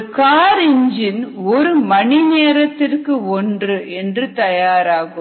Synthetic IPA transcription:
kaːɾɪɲd͡ʒɪnɔɾɯmɐɳineːɾɐt̪ːɪrkɯɔndrɯʔɛndrɯt̪ɐjaːɾaːɣɯ

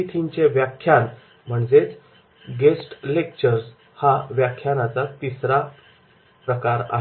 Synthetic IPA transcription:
it̪ʰiɲt͡ɕeʋjakʰjan | m̤əɳd͡zet͡s | ɡesʈlek̚t͡ɕəɾs | haʋjakʰːjanat͡sat̪isɾa | pɾəkaɾa̰ɦe

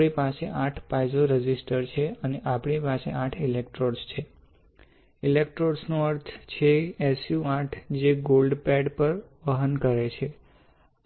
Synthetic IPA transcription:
ipaseʔaʈʰpajzoɾəd͡ʒisʈəɾt͡ʃʰeəneʔapɳipasḛʔaʈʰilek̚ʈɾoɾst͡ʃʰe | ilek̚ʈɾoɾsnoəɾt̪ʰt͡ʃʰeesjuaʈʰd͡ʒeɡolɖpɛɖpəɾʋəɦənkəɾet͡ʃʰe

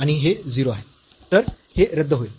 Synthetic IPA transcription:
aɽ̃iɦed͡ziɾoaɦe | t̪əɾ | heɾəd̪ʱːəɦoe

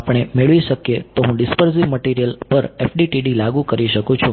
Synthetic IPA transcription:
pɳ̃emeɭʋiʃəkjet̪oɦũɖɪspəɾsiʋməʈiɾijəlpəɾefʰɖiʈiɖilaɡũkəɾiʃəkũt͡ʃʰũ

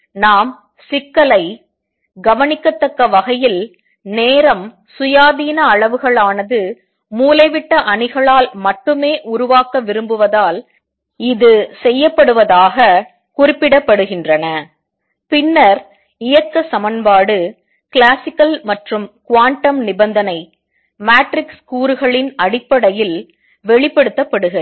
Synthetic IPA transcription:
naːm | sɪkːɐɭɐɪ | ɡɐʋɐnɪkːɐt̪ːɐkːɐʋɐɣɐjɪl | neːɾɐm | sʊjaːðiːnɐɐɭɐʋɯɣɐɭaːnɐðɯ | muːlɐɪʋɪʈːɐʔɐɳɪɣɐɭaːlmɐʈːɯmeːʔʊɾʊʋaːkɐʋɪɾɯmbɯʋɐðaːl | ɪðɯsɛjːɐpːɐɽɯʋɐðaːɣɐ | kʊrɪpːɪɽɐpːɐɽɯɣɪndrɐnɐ | pɪnːɐɾ | ɪjɐkːɐsɐmɐnbaːɽɯ | klaːsɪkɐlmɐʈrɯmkʊʋaːɳʈɐmnɪbɐnd̪ɐnɐɪ | maːʈɾɪkskuːɾɯɣɐɭɪnɐɽɪpːɐɽɐjɪl | ʋɛɭɪpːɛɽɯt̪ːɐpːɐɽɯɣɐ

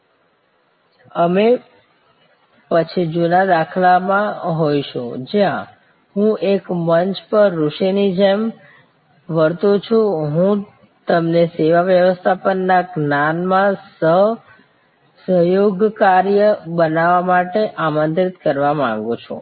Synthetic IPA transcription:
əme | pət͡ʃʰid͡ʒunad̪akʰlamãɦojʃṵ̃d͡ʒjã | ɦũʔekmənt͡ʃpəɾːuʃinid͡ʒem | ʋəɾt̪ũt͡ʃʰũɦũ | t̪əmneseʋaʋjəʋəst̪ʰapənːaɡnanmãsəɦ | səɦjoɡkaɾjəbənaʋamaʈeʔamənt̪ɾit̪kəɾʋamã̰ŋɡũt͡ʃʰṵ̃

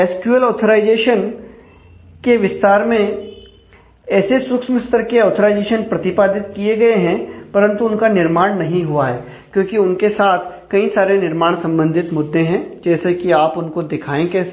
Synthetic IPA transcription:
ɛːskjuəlɔːt̪ʰəɾaːɪd͡ʒeːʃən | keʋɪst̪aːɾmẽ | ɛːseswʊkʃməst̪ʰəɾkeɔːt̪ʰəɾaːɪd͡ʒeːʃənpɾɐt̪ɪpaːd̪ʱɪt̪̚kieɡɐeɦɛ̃pɐɾə̃nt̪uʊnkanɪɾmaːɽ̃nɐɦĩɦuaɦɛː | kjõːkiʊnkesaːt̪ʰ | kɐĩsaːɾenɪɾmaːɽ̃sɐ̃mbə̃nd̪ʱɪt̪mʊd̪ʱːeɦɛ̃d͡ʒɛːsekiaːpʊnkod̪ɪkʰaːẽke

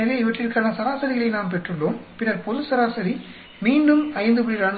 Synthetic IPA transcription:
ɐleːɪʋɐʈrɪɾɯkːaːnɐsɐɾaːsɐɾɪɣɐɭɐɪnaːmp̬ɛʈrɯɭːoːmpɪnɐɾpɔðɯsɐɾaːsɐɾi | miːɳɖɯmɐɐɪnd̪ɯpɪɽiɾaːɳ

